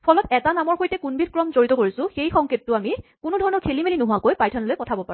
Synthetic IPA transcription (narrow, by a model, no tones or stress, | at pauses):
pʰɔlɔtɛtanamɔɹxojtɛkunbit̚kɹɔmzoɹitɔkoɹisʊ̃xejxɔŋkʰetːʊamikunudʱɔɹɔnɔkʰelimelinʊɦʊakojpajtʰɔnɔlojpɔtʰabɔpaɹʊ